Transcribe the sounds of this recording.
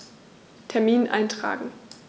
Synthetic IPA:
tʰɛɐmiːnʔa̰ɪntʁ̥a̰ːɡŋ̩

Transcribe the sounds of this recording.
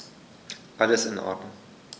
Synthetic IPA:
ʔaləsɪnʔɔ̰ːd̥nʊŋ

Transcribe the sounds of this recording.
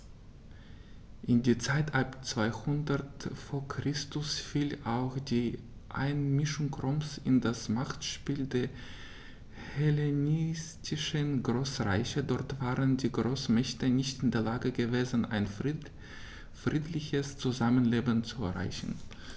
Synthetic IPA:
ʔɪndiːt͡saɪtʰapt͡sv̥aɪhʊndɐtfoːɐkʁ̥ɪstʊsfiːlaʊxd̥iː | ʔa̰ɪnmɪʃʊŋkʁɔmsɪndasmaχtʃpiːldeːɐ | helenɪstʰɪʃənɡʁoːsʁaɪçədɔɐtv̥aːʁəndiːɡʁoːsmɛçtənɪçtɪndeːɐlaːɡəɡəveːzən̩ʔa̰ɪn | fʁ̥iːtʰlɪçəst͡suzamənleːbənt͡suɛɐʁa̰ɪçn̩

